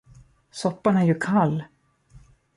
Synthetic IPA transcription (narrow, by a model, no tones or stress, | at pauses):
sɔpːaɳæɾjɵkʰalː